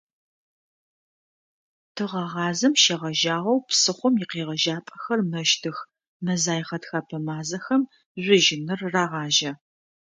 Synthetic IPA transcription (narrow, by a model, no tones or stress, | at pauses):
tʰɨʁɐʁɑːzɐmʃɐʁɐʒaːʁɐwpsɨχʷɔmjɪqeːʁɐʒaːpʼɐxɐrmɐʃtʰɨx | mɐzaːjχɐtxɐpʰɐmaːzɐxɐm | ʑʷʊʒɪnɨrːaːʁɑːʒɐ